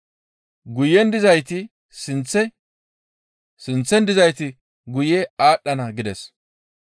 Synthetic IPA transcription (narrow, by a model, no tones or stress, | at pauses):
ɡʊjɛnd̪ɪzɐjt̪ɪ | sɪnt͡sːɛ | sɪnt͡sːɛnd̪ɪzɐjt̪ɪ | ɡʊjɛaːɗːɐnɐɡɪd̪ɛs